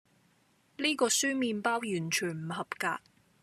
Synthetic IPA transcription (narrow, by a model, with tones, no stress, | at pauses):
liː˥kɔː˧syː˥miː˧npaː˥wjyː˨˩nt͡ʃʰyː˨˩nm̩˨˩hɐ˨pka̰ː˧